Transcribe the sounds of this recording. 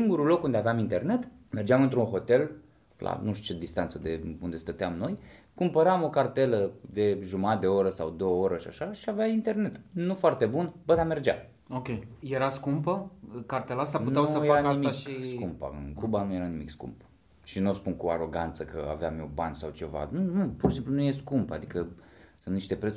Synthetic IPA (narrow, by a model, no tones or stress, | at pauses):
siŋɡuɾulo̞kund̪eaveamint̪e̞rne̞t̪ | me̞rd͡ʒeamɨnt̪ɾunɦo̞t̪e̞l | lʔa̰nuʃt̪ut͡ʃe̞d̪ist̪ant̪səd̪e̞und̪e̞st̪ət̪eamno̞j | kumpəɾamo̞kart̪e̞ləd̪e̞ʒumad̪e̞oɾəsawd̪o̞wəoɾəʃia̰ʃaʃiaveaint̪e̞rne̞t̪nufoart̪e̞bunbəd̪ame̞rd͡ʒa̰m | okʲejje̞ɾaskumpəkart̪elaast̪aputneawuəjfeaɾanaiimiakʃiskumpa̰ɨ̰nkubanuje̞ɾanimikskṵmp | ʃinospunkuaɾo̞ɡant̪səkəa̰veamjobanʲsawt͡ʃe̞va̰nunupuɾʃisimplunujeskumpa̰d̪ikəsɨnt̪niʃt̪e̞pɾet̪s